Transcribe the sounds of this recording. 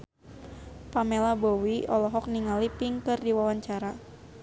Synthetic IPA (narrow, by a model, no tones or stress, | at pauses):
pamelabowiɔlɔɦɔk̚niŋalipiŋkɨrdiwawaɲt͡ʃaɾa